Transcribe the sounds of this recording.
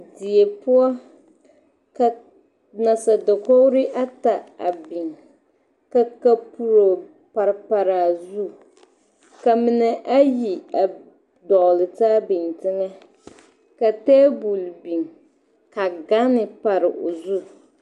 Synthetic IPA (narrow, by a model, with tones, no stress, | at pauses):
di˨e˨pʊ˦ɔ˦ | ka˨ | na˨sa˨da˨ko˦ɾɪ˦ʔa˦ta˨a̰˨bi˨ŋ | ka˨ka˦pu˦ɾo˨ | pa˨ɾpa˨ɾaː˨zu˦ | ka˨mɪ˨nɛ˨ʔa˦ji˨a˨ | dɔ˨lɨ˨taː˦bi˨ntɪ˦ŋa˦ | ka˨teː˦bu˨lbi˨ŋ | ka˨ɡa˦nɪ˨pa˨ɾɪ˨ʔo˨zu˦